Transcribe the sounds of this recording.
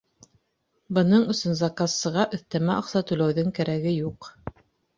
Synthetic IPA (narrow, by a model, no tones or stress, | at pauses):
bɤ̆nɤɴɵ̆sɵnzɑkasːɤ̆ʁɑʔɵ̆θt̪æmæɑqsɑt̪ʉlæwðɵŋkæɾæɡɘjuq